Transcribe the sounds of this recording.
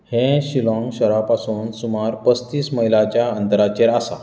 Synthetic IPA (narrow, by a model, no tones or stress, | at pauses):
hẽɕilɔ̃ŋɡɕəɾapasuːnsumaɾpəst̪iːsməɦilat͡ɕjaənt̪əɾat͡ɕeɾasa̰